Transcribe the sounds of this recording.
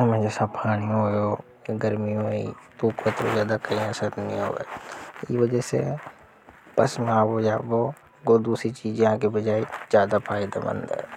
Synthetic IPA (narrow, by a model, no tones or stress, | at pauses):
mẽd͡ʒɛːsapʰaːɽ̃ijõɦojo | ɡəɾmijõḭt̪uːkət̪ozjaːd̪akɐɦĩasət̪nĩɦo̰ːɡḛiʋəd͡ʒəsḛ | bɐsmẽaːbojaːbo | ɡod̪uːsɾit͡ʃiːd͡ʒjɐɦãkebəd͡ʒaːed͡ʒjaːd̪apʰaːɪd̪a̰bə̰̃nd̪ɦɛ̰ː